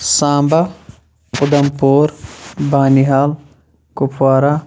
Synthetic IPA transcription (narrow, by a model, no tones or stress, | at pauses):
sãːmba | ʊd̪ɐmpuːɾbaːniɦaːl | kʊpʰwaːɾa